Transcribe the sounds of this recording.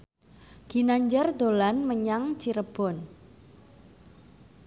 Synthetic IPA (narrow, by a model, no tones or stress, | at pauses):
ɡ̥i̤naɲd͡ʒərd̪olanməɲaŋt͡ʃiɾəb̥ɔ̤n